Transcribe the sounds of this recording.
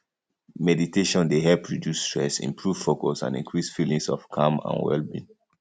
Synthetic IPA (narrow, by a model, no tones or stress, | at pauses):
mɛditeʃɔ̃ndeɦɛpʰɹidjustɹɛsḭ̃mpʰɹuv̥fokɔsã̰ndḭ̃ŋkʰɹisfilĩŋsɔfkʰãmã̰nwɛ̰lbḭ̃n